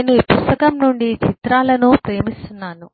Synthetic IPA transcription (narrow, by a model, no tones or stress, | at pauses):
nuʋipust̪ɐkɐmnuɳɖit͡ʃit̪ɾaːlɐnupɾe̞ːmist̪unːaːnu